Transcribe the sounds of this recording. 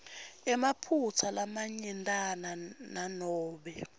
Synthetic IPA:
ɛmapʰut͡sʰalamaɲɛntʼanananɔːɓɛ

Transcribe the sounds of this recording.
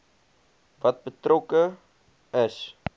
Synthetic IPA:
vɐt̚bətrokə | əs

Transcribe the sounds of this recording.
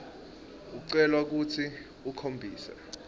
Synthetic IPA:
uk̬uǀɛlwak̬utʰi | ukʰombʱiːsa̰

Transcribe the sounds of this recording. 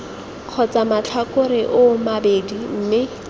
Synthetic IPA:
q͡χʰɔt͡samat͡ɬʰakʊɾɪʔʊmabedim̩mɪ

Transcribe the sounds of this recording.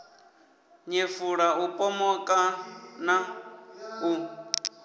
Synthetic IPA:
ɲefuɺaupʼɔmɔkʼana | u

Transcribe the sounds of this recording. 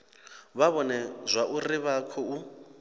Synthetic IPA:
βaβɔnɛzʷwaʔuriβakʰɔu

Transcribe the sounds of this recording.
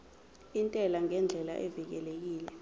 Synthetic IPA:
intʼɛlaŋɛnd͡ɮʱɛla̰ʔɛvik̬ɛlek̬iːlɛ

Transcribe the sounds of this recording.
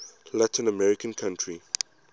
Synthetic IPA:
latʰĩnəmɛɹɪkə̃nkʰãntʰɹi

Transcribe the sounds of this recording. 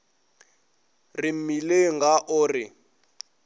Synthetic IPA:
rɪm̩mileŋɡaʔʊːrɪ

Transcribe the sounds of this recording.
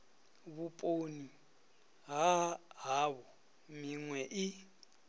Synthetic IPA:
βupʼoni | ɦaɦaβɔ | miŋwɛʔi

